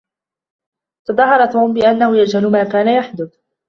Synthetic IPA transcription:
t̪aðˤɑɦːɑɾˤɑt̪uːmbɪʔanːahʊjad͡ʒhalʊmaːkaːnajaħd̪ʊd̪

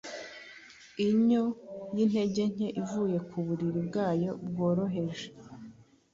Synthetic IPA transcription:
iɲonin̥he̞ɟe̞ɲ̥e̞ʔivuːje̞kuβuɾiɾibɡaːjo̞b̚ɡoːɾo̞ɦe̞ʒe

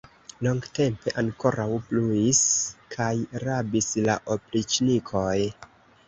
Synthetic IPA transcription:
loŋɡte̞mpe̞ʔaŋko̞ɾʔawpluiskʰajɾabisla̰ʔoplit͡ʃnikʰo̞j

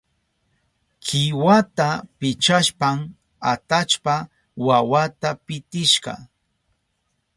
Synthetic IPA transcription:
kʰɪwat̪apɪt͡ʃaʃpam | at̪at͡ʃpa | wawat̪apɪt̪ɪʃɢɑ̰

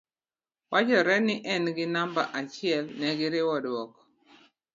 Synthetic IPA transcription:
wat͡ʃɔɾɛnɪʔɛnɡɪnambaʔat͡ʃɪɛlnɛɡɪɾɪwɔdwɔk

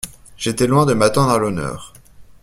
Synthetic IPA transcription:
ʒ̥et̪ɛlwɛ̃d̪əmat̪ɑ̃d̪ʁalɔnœ̰ːʁ

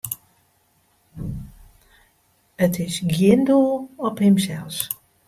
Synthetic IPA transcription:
ətɪsɡjɪndulˠɔphɪmsɛlˠs

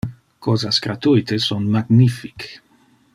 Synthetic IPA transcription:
kɔzaskɾat̪ujt̪esɔnmaɡnifi̥k

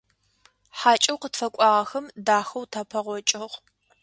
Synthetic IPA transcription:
ħaːt͡ʃʼɐwqətfɐkʷʼɑːʁɐxɐmdaːxɐwtʰɐpʰɐʁʷɔt͡ʃʼɪʁ

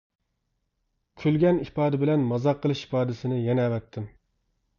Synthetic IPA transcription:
kʲʰølɡʲɛnipɑːd̪ɪbɪlɛnmɑzɑqʰːəlˠɨʃi̥pɑːd̪ɪsɪnɪjɛnɛːwɛt̪ʰːɪm

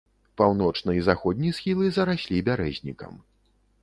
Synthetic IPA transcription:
pawnɔt͡ʂnɐizaxɔd̪ʲnʲisxʲilˠɨzɐɾasʲlʲibʲaɾɛzʲnʲikɐ̰m

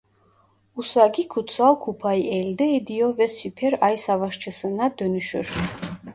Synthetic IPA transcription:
usaɡikʰut̪sʰalkʰupʰajʔɛld̪ɛːd̪iɔvɛsypʰɛɾajsavaʃt͡ʃʰɛsənad̪œnyʃɛ̰ɾ

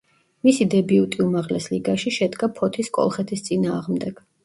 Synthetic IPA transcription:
misid̪ɛbiut̪ʼiumaʁlɛsliɡaʃiʃɛd̪ɡapʰɔt̪ʰiskʼɔ̰lˠχɛt̪ʰist̪sʼinaːʁmd̪ɛɡ̥

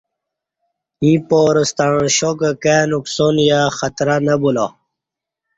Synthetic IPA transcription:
ĩpoːɾəst̪aɻɕokəkenuksonjaxɐt̪ɾanɐbula

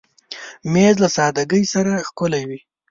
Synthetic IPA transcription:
mezlasɑd̪aɡəjsaɾaxkʊlawi

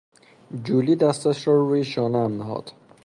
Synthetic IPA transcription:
d͡ʒuːliːd̪æst̪æʃɾɔːɾuːjeʃɒːnææmniɦɒ̰d̪̥

